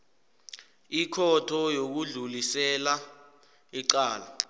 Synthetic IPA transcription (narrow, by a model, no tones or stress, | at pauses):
ikʰɔtʰɔjok̬uɮulisɛla | iǀaːla